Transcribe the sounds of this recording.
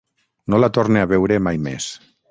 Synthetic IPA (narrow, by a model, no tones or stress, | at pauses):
nolat̪oɾneaβɛwɾemajmḛs